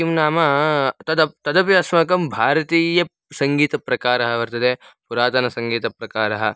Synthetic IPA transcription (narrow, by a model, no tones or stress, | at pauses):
imnaːmɐt̪ɐd̪ɐpt̪ɐd̪ɐp̬jɐɐsmɐkɐmbʱaːɾɐt̪iːjɐ | sɐŋɡiːt̪ɐpɾɐkaːɾɐɦɐʋɐɾt̪ɐd̪eː | puɾaːt̪ɐnɐsɐŋɡiːt̪ɐpɾɐkaːɾɐɦɐ̆